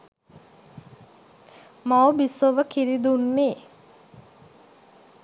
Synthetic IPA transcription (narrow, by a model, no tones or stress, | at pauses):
mawbisoʋəkiɾid̪unːeː